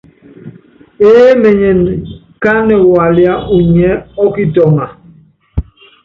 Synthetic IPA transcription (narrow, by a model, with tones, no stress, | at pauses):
eː˦mɛ˨ɲɛ˨n | ka˦nɛ˨wa˨lja˦u˨ɲɛ˦ɔ˦ki˦tɔ˨ŋa˨